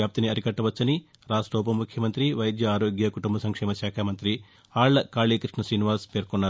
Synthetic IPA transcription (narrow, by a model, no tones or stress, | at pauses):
aːp̚t̪iniɐɾikɐʈːɐʋɐt͡ʃːɐni | ɾaːsʈɔːp̬ɐmukʰjɐmɐnt̪ɾiʋɐjd̪jɐaːɾoːɡjɐkuʈumbɐsɐŋkʂɛːmɐʃjaːkʰaːmɐnt̪ɾi | aːɭːɐkaːɭiːkɾiʂɳɐsɾiːniʋaːspeːɾkonːaː